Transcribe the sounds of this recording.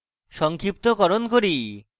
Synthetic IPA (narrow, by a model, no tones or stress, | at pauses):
ʃɔŋkʰɾip̚t̪okɔɾonkoɾi